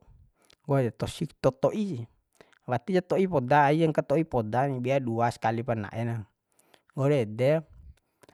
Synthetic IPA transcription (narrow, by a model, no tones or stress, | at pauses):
ɡoɛdɛt̪ɔsikt̪ɔt̪ɔʔi | wat̪id͡ʒat̪ɔipɔdaːiaŋkat̪ɔipɔdanibɛaduaskalipana̰ʔɛna | ɡoɾedɛ